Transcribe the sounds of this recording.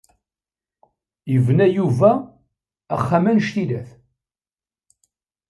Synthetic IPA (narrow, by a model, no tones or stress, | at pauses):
əvnæjuvæː | χːamænʃt̪ilæθ